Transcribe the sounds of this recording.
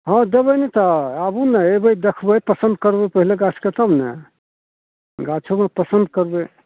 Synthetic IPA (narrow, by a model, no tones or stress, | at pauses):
ɦə̃d̪ebənet̪əabunɛebəjd̪ekʰbəjpəsə̃nd̪kəɾbepəɦileɡat͡ʃʰket̪əbnɛ̰ | ɡat͡ʃʰomepəsənd̪̚kəɾbe